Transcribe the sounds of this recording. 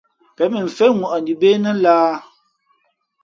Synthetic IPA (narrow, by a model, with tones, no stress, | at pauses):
pɛ˨˦mi˨ɱ̩˨fɛ˦ŋwu˨ʔa˨ni˨be˦nə˦laː˦